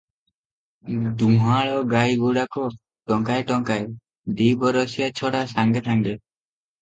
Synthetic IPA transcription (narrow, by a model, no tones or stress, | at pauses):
d̪uɦaɭɔɡajɡuɽakɔ | ʈɔŋkajʈɔŋkaj | d̪ibɔɾɔsijat͡ʃʰɔɽasaŋɡet̪ʰaŋɡe